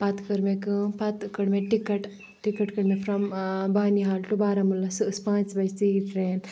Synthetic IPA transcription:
pɐt̪kɐɾmekɨpɐt̪kɐɽmeʈikɐʈ | ʈikɐʈkɐɽmefɾɐmbaːniɦaːlʈubaːɾɐmulːɐsspãːnsbɐjst̪iʈɾeːn

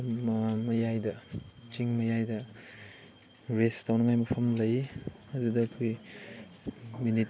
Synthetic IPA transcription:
mɐmɐjajdɐt͡ʃiŋmɐjajdɐ | ɾestawnɐŋajmɐpʰɐmlɐjɐdudɐːkʰoj | minit̚

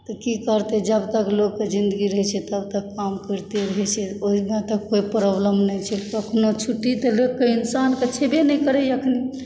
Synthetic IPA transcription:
t̪ɔkikəɾt̪ed͡ʒəbt̪əklokːed͡ʒind̪əɡiɾəɦɛt͡ʃʰɛt̪əb̚t̪əkːamkəɾt̪eɾəɦɛt͡ʃʰɛoimẽt̪əkːoipɾəbləmnɛjt͡ʃʰɛəkʰnot͡ʃʰuʈːit̪əlekːeinsanket͡ʃʰebenɛkəɾɛjəkʰni

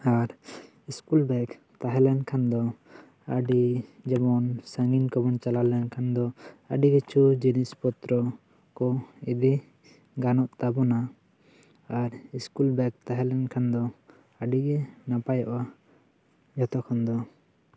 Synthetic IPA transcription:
aɾ | iskulbɛk | t̪aɦɛlɛnkʰand̪ɔ | ə̰ɖid͡ʒɛbɔnsaŋɡinkɔbɔnt͡ʃalalɛnkʰand̪ɔə̰ɖiɡɛt͡ʃud͡ʒinispɔt̪ɾɔ | kɔib̪i | ɡanɔʔt̪abɔnaː | ɾiskulbɛk̚t̪aɦɛlɛnkʰand̪ɔ | əɖiɡɛnapajaʔa | d͡ʒɔt̪ɔkʰɔnd̪ɔ

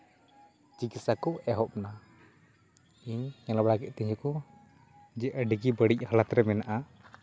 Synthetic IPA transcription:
t͡ʃikit̪sakɔɛɦɔp̚na | iɲɛlabɽakɛʔt̪ɛɲd͡ʒɔkɔ | d͡ʒɛʔəɖiɡibəɽic̚ˀhalat̪ɾɛmɛnaʔa

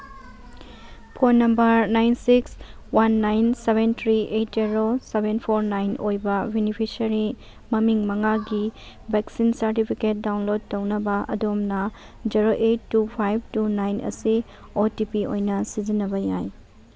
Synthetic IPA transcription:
pʰonːɐmbɐɾnajnsiks | wanːajnseβentʰɾiʔejt̚ziɾosebenpʰoɾnajnojbɐbenipʰisɐɾi | mɐmiŋmɐŋaɡi | bʱeksinsɐɾtipʰiket̚dawnlod̚tɐwnɐbɐʔɐ̰domnɐ | d͡ʒiɾoʔetːupʰajb̚tunajnʔɐ̰si | otipiojnɐsizinːɐbɐjaj

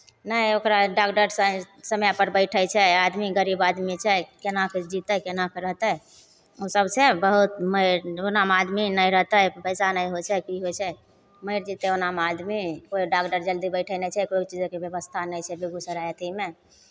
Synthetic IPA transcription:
nəjokɾaɖakɖəɾsə | səmjapəɾbəɪʈʰəjt͡ʃʰɛad̪miɡəɾibad̪mit͡ʃʰɛkenaked͡ʒit̪əkenakeɾəɦt̪ə | osəbt͡ʃʰɛbəɦut̪məɪɾonamad̪minəjɾəɦt̪əpəɪsanəjɦot͡ʃʰɛkiɦot͡ʃʰɛ | məɪɾd͡ʒit̪eonamad̪mikoiɖakɖəɾd͡ʒəld̪ibəɪʈʰəjnɛt͡ʃʰɛkoit͡ʃid͡ʒkebjeβəst̪ʰanəjt͡ʃʰɛbeɡusəɾajət̪ime

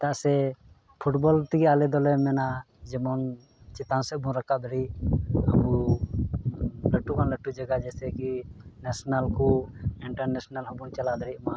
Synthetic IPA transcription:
t̪aasɛ | pʰuʈbɔlt̪iɡɛalɛd̪ɔlɛmɛna | d͡ʒɛmɔn | t͡ʃɛt̪ãnsɛbʱũɾakad̪əɾiʔəbu | ləʈːukanləʈːud͡ʒaɡad͡ʒɛsɛkinɛsnalkɔiɳʈaɾnɛsnaləbunt͡ʃalad̪ɛɾiʔma

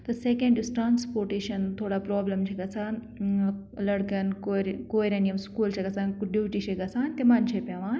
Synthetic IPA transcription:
t̪ɐsekẽɳɖisʈɾaːnspoːɾʈeːʃɐnt̪ʰoːɽaːpɾoːblemt͡ʃʰeɡɐsaːn | lɐɽkɐnkoɾkoːjɾenijɐmskuːlt͡ʃʰɐɡɐsaːnɖuːʈit͡ʃʰeɡɐsaːnt̪emɐːnt͡ʃʰepʲjaːʋaːn

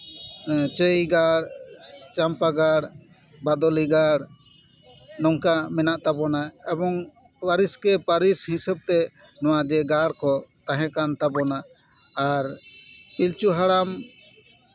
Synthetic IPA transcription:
t͡ʃəjɡaɽt͡ʃampaɡaɽ | bad̪ɔliɡaɽ | nɔŋkamɛnaʔt̪abɔnaɛbɔŋ | waɾiskɛpaɾishĩsɛb̚t̪ɛ | nɔ̃wad͡ʒɛɡaɽkɔt̪aɦɛ̃kant̪abɔnaː | ɾpilt͡ʃuɦaɽam

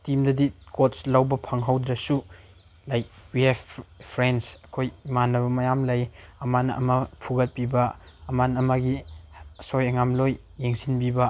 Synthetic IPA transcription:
timdɐdikotslawbɐpʰɐŋɦawd̪ɾɐsu | lajk̚wiɛbpʰɾensɐkʰojmanɐbɐmɐjamlɐjɐmanɐ̰ʔɐ̰mɐpʰuɡɐt̚pibɐːmanɐmaɡi | sojɐŋamlojːeŋsinbibɐ

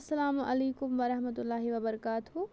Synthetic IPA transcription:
sːɐlaːmɐ̰leːkʊmʋɐɾɐɦmət̪ʊlːaːɦiʋɐbɐɾɐkaːt̪ɦu

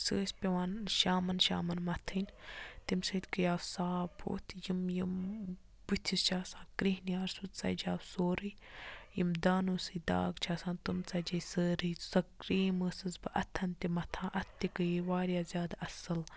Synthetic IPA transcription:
səːsʲpʲeʋaːnʃaːmɐnʃa̰ːmɐnmɐt̪ʰɨnʲt̪imsɨːt̪ʲkɨjaːwsaːbʰo̰ːt̪ʰjimjim | bɨt̪ʰist͡ʃʰaːsãːkɾiɦnijaːɾsut̪t͡sɐ̰d͡ʒaːwsoːɾɨj | jimd̪aːnuːsɨd̪a̰ːɡt͡ʃʰaːsãːnt̪umt͡sɐd͡ʒɐsəːɾɨjsɐkɾiːməːsɨzbɨʔɐ̰t̪ʰːɐnʲt̪imɐt̪ʰãːʔɐt̪ːikɨjiʋaːɾjaːzʲjaːd̪aɐsɨl

